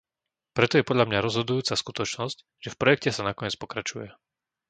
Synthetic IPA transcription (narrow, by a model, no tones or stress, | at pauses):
pɾɛt̪ɔjɛpɔd̪ʎamɲaɾɔzɦɔd̪ujuːt͡saskut̪ɔt͡ʃnɔsc | ʒ̥ɛfpɾɔjɛk̚cɛsanakɔɲɛt͡spɔkɾat͡ʃujɛ